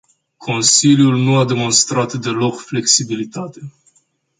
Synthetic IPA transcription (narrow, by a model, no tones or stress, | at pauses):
kʰo̞nsiljulnuad̪e̞mo̞nst̪ɾat̪d̪e̞lo̞kfle̞ksibilit̪at̪e̞